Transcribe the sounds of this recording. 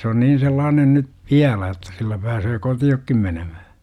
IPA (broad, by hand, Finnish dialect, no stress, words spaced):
se on niːn̞ selːɑːnen ny ʋiælæ etːæ silːæ pæːsøː kotiokːim menemæhæ